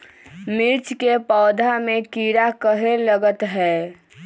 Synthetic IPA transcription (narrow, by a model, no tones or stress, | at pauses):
mɪɾt͡ʃkepɔːd̪ʱamekiɾakəɦeləɡət̪ɦɛː